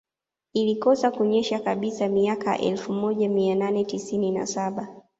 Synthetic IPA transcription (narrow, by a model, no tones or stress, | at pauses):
ilikɔsakuɲɛʃakaɓisamiaka̰ʔɛ̰lfumɔʄamiananɛtisinina̰saɓa